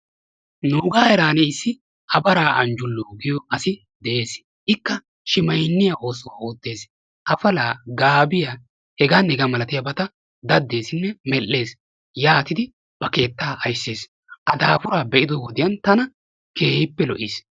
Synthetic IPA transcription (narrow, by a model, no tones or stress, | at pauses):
nuːɡaːɛɾaːneɪsːɪ | ʔɐbɐɾaːʔɐ̰nd͡ʒʊlːoːɡɪjɔʔɐsɪ | d̪ɛʔeːs | ʔɪkːɐ | ʃɪmɐjnːɪjao̞ːsɔwa̰ːoːt̪ːe̞ːs | ʔɐfɐlaːɡaːbɪja | hɛɡaːnɛɡɐmɐlɐt̪ɪjɐbɐt̪ɐ | d̪ɐd̪ːe̞ːsɪnːɛmɛlːe̞ːs | jaːt̪ɪd̪ɪ | b̥ɐke̞ːt̪ːaːʔɐjsːeːs | ʔɐd̪aːfʊɾaːbɛʔɪd̪ɔwɔd̪ɪjɐnt̪ɐnɐ | ke̞ːhɪpːɛlɔʔɪs